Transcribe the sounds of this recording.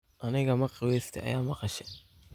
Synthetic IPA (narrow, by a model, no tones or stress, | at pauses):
ʔɐnɪɣɐmɐqɪwɛːst̪ʰɛ̰ʔɐ̰jaːmɐqɑʃɛ